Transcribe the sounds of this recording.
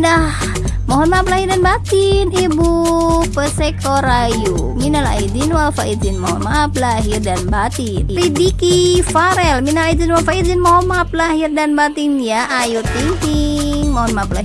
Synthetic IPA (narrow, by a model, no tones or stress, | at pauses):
nah | mɔɦɔnmaːplahirdanbat̪inibupəsɛkʰɔɾajuminala̰id͡ʒinwalfait̪zinmɔɦɔ̰nmaaplaɦirdanbat̪inɾidikifaɾɛlminalaid͡ʒinwalfait̪̚zinmɔɦɔnmaaplaɦirdanbat̪injaʔajut̪iŋki | ŋmɔɦɔnmaaplaɦ